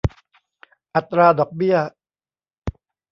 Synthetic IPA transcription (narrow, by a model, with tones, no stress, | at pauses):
ʔa˨˩t̪ɾaː˧dɔː˨˩k̚bi˥˩ɐ